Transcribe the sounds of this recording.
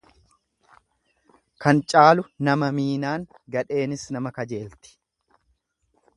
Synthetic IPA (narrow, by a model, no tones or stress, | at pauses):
kɐnt͡ʃʼaːlʊnɐmɐmiːnaːŋ | ɡɐᶑe̞ːnɪsnɐmɐkɐd͡ʒe̞ːlt̪ɪ̥